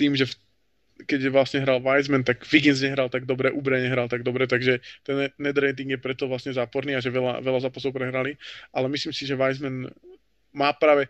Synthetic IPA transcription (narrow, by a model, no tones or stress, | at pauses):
t̪iːmʒɛf | kɛɟɛʋlasɲɛɦɾalʋajzmɛnt̪aɡʋiɡinzɲɛɦɾalt̪aɡd̪ɔbɾɛʔubɾɛɲɛɦɾalt̪aɡd̪ɔbɾɛt̪aɡʒɛt̪ɛnnɛd̪ɾɛjt̪̬iŋɡjɛpɾɛt̪ɔʋlasɲɛzaːpɔɾniːaʒɛʋɛla̰ʋɛlazaːpas̬ɔʊpɾɛɦɾaliʔalɛmisliːmsiʒɛʋajzmɛn | maːpɾaːʋɛ